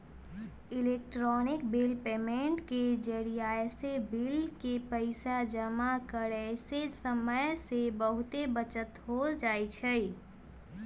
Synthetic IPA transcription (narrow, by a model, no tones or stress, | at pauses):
ɪleːk̚ʈɾɔːnɪkbelpeːmẽːɳʈked͡ʒəɽijaːesebɪlkepəɪsad͡ʒəmakəɾesesəməjsebəɦʊt̪ebət͡ʃət̪ɦoːd͡ʒaːit͡ʃʰəi